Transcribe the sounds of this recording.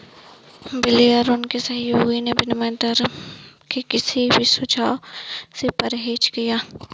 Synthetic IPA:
bɪliəɾʊnkesɐɦjoːɡinebɪnmɛ̃ːnd̪əɾkekɪsibʱisʊt͡ʃaːosepɐɾɦeːt͡ʃkijaː

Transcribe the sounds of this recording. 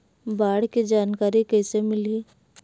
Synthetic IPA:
baːɽ̤kid͡ʒaːnkaːɾikɛːsemɪli

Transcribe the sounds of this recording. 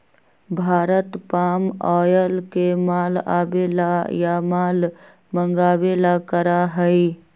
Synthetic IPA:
bʱaːɾət̪pamɔjəlkemala̰belajamaːl | məŋɡaːbelakəɾaɦəj

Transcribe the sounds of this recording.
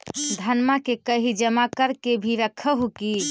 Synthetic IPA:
d̪ʱənmakekəɦid͡ʒəmakəɾkebʱiɾəkʰəɦuki

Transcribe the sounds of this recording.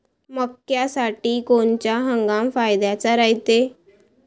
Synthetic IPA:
məkːjasaʈiːkont͡ɕaɦəŋɡamfajd̪jat͡saɾaɦit̪e

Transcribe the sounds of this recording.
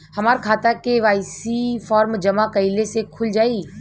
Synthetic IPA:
hɐmaːɾkʰaːt̪akeʋaːɪsifɔːɾmd͡ʒɐmakɐɪlesekʰʊld͡ʒaːiː

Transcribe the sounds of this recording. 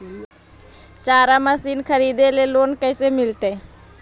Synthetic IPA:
t͡ʃaːɾaməsiːnkʰəɾiːd̪eleloːnkəːsemɪlt̪e

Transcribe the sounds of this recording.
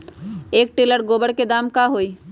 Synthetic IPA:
eːk̚ʈeːləɾɡoːbəɽked̪aːmkaɦoːiː

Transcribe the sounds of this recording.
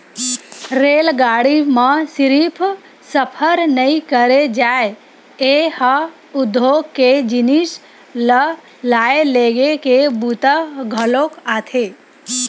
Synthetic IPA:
ɾeːlɡaːɽimãsɪɾipʰ | səpʰəɾnəĩkəɾed͡ʒaːe | ehə | ʊd̪ʱːoɡkːed͡ʒɪnis | lə | laːeleɡekebut̪əɡʱəlokaːt̪ʰe

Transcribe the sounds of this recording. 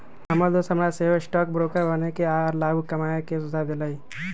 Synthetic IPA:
ɐməd̪oːsɦɐmɾaseːʋəɪsʈɔːk̚bɾoːkəɾbənekeaːɾlaːɡukɐmaːjekesʊzʱad̪ɪlaːi

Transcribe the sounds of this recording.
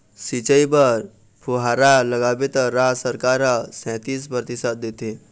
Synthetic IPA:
sit͡ʃəibəɾ | pʰuɦaːɾaləɡaːbet̪əɾaːsəɾkaɾasɛ̃ːt̪iːspəɾt̪ɪsaːd̪̚d̪et̪e

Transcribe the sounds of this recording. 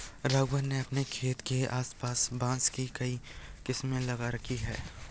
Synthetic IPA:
ɾaːɡʋənːeɐpnekʰeːt̪keaːspaːsbãːskikɐikɪsmẽlɐɡaɾɐkʰiɦɛː

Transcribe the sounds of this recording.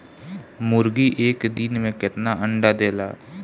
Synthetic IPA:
mʊɾɡiːʔeːkd̪inmẽkɪt̪naːʔəɳɖaːd̪eːla̰ː

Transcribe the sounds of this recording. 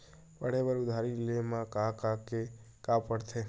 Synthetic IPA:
pəɽ̤ebəɾud̪ʱaɾilemãkãkake | kãpəɽt̪ʰe

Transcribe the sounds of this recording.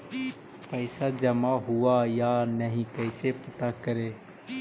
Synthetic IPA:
pəɪsad͡ʒəmaːɦʊaːjaːnəɦĩkəɪsepət̪akəɾeː

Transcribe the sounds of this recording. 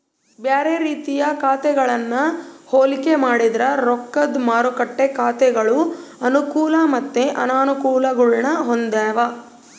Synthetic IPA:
beːɾeɾiːt̪ijɐkaːt̪ɛɡɐɭɐnːɐhoːlikemaːɽid̪ɾɐɾokːɐd̪maːɾukɐʈːekaːt̪ɛɡɐɭuɐnukuːlɐmɐt̪ːeʔɐ̰naːnukuːlɐɡuɭɳɐɦond̪ɛːʋɐ

